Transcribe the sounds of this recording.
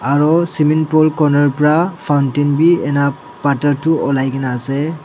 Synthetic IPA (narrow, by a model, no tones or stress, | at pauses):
aɾɔsiminpɔlkɔnɐɾpɾapʰawntinbienapːatɐɾtuɔlajɡenase